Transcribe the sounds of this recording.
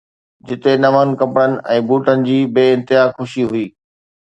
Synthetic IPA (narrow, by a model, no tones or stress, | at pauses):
d͡ʑɪt̪enɐʋənɪ̆kɐ̃pɽənɪ̆ʔɛ̃ːbuːʈənɪ̆d͡ʑiːbeːɪ̃nt̪ɪɦaːxʊʃiɦʊiː